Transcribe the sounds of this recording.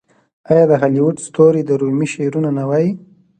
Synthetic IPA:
ajɑd̪əɦaliwuʈst̪oɾed̪əɾumiʃeɾunanawaji

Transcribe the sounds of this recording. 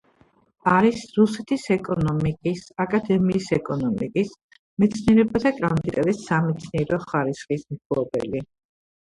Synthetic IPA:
aɾisɾusɛt̪ʰisɛkʼɔnɔmikʼisakʼad̪ɛmiːsɛkʼɔnɔmikʼis | mɛt̪sʰniɛɾɛbad̪akʼɾanɔmd̪it̪ʼaɾɛsamɛt̪sʰniɛɾɔχaɾisχismtʰɔbɛ̰li

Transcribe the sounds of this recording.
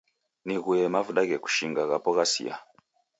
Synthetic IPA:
niɣuɛmavuɗaɣɛku̥ʃiŋɡaɣapɔɣasḭa̰

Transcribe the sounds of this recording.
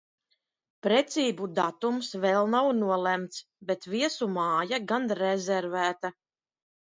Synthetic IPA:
pɾɛt̪siːbud̪at̪umsvɛlˠnawnuɔlæmt̪s | bɛt̪viɛsumaːjaɡanɾɛzɛɾvæːt̪a

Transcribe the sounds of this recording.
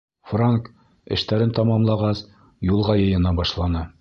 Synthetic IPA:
fraŋk | ɘ̰̆ʃt̪æɾɘnt̪ɑmɑmlˠɑʁɑs | julˠʁɑjɤ̆jɤ̆nɑbɒʃlˠɑnɤ

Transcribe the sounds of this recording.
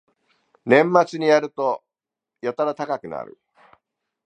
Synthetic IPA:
nẽ̞mːat͡sɨɲ̟ijaɾɯ̟t̪o | jot̪aɾat̪akakɯ̟na̰ɾɯ̟̰

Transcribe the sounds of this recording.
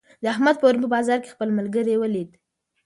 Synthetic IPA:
d̪əahmad̪̚pəwɾumpəbɑzɑɾke̥xpəlməlɡəɾewəlid̪

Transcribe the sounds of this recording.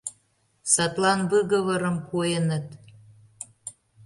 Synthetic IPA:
sɑt̪lɑnβɨɣəβəɾəmkojənət̪

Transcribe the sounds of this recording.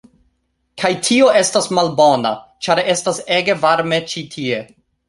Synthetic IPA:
kʰajtʰio̞e̞stasmalbo̞na̰t͡ʃaɾe̞stase̞ɡe̞vaɾme̞t͡ʃitʰie̞

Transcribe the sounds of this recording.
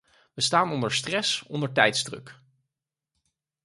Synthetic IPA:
ʋəstaːnɔndəɹstrɛsɔ̰ndəɹtɛjtzdrɵ̰k

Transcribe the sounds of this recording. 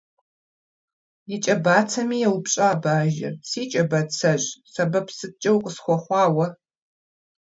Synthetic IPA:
jɪt͡ʃʼɐbaːt͡sʰɐmiːjɛwpɕʼaːbaːʒɪ̰rsiːt͡ʃʼɐbɐt͡sʰɐʑsɐbɐpsɨt͡ʃʼɐwqʼəsxʷɔχʷɑːwɐ

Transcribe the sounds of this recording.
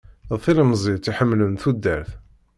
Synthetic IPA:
ðθiləmzˤit̪iħəmːlənθud̪ːæɾθ

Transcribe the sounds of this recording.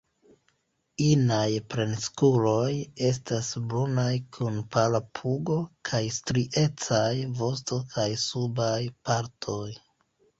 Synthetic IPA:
inajpɾe̞nskulo̞je̞s̬tasbɾunajkʰunpalapʰuɡo̞kʰajstɾiʔe̞t͡sajvo̞sto̞kʰajsubajpaɾtʰo̞j

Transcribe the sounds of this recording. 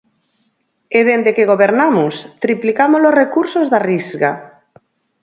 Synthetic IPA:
eðend̪ekeɣ̞oβeɾnamʊst̪ɾiplikamolorekuɾsozðarizɣa

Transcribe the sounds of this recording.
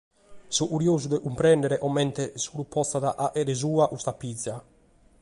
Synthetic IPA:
sɔʔuɾjoːzud̪ɛʔumpɾɛnd̪ɛɾɛʔɔmːɛnt̪ɛsuɾupʰːɔst̪aða̰ʔaʔɛɾɛzuːaʔust̪apːid̪zːja

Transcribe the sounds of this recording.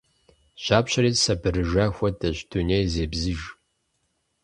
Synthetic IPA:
ɕaːpɕɐɾiːsɐbɨɾɨʒɐxʷɔdɐɕdʰunejzeːbzɨʒ

